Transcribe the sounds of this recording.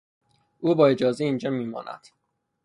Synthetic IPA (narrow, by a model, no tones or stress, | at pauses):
ʔuːbɒːe̞d͡ʒɒːzeiːnd͡ʒɒːmiːmɒ̰ːnʔæ̰d̪̥